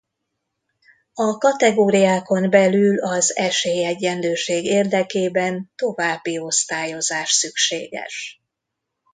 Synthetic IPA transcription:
ɒkɒt̪ɛɡoːɾijaːko̞nbɛlylɒzɛʃeːjɛɟːɛnløːʃeːɡeːrd̪ɛkeːbɛnt̪o̞vaːbːio̞st̪aːjo̞zaːʃsykʃeːɡɛ̰ʃ

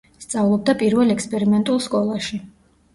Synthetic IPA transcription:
st̪sʼavlˠɔb̚d̪apʼiɾvɛlɛkspʼɛɾimɛnt̪ʼulˠskʼɔlˠaʃi

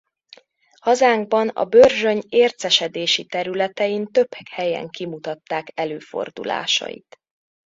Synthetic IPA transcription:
hɒzaːŋɡ̚bɒnɒ̰børʒøɲeːrt̪sɛʃɛd̪eːʃit̪ɛɾylɛt̪ɛjint̪ø̞pʰhɛkhɛjɛ̰ŋkimut̪ɒt̪ːaːkɛløːfo̞̰rd̪ṵla̰ːʃɒ̰jḭt̪

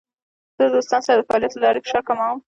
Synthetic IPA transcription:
z̥əd̪ost̪ɑnsaɾad̪əfɑɑlijat̪əlɑɾekʂakamam

